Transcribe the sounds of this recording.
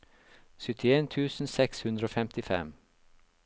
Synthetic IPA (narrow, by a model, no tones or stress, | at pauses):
sʏt̪ʰɪeːnt̪ʰʉːsn̩sɛkshʉnd̪ɾəoːfɛmt̪ɪfɛ̰m